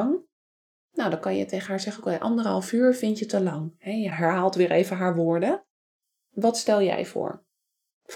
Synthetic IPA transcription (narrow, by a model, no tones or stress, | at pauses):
ŋ | nawdɑŋkɑnjə̰tejχənɦaːɹzɛχənokɛʔɑ̰ndərɦɑlˠvyːɹvɪntjətəlɑŋhɛjəɦɛɹɦaːlˠtʋɪːɹʔejvəɦaːɹʋʊːɹdə | ʋɑtstɛlˠjɛ̰jvʊ̰ːɹ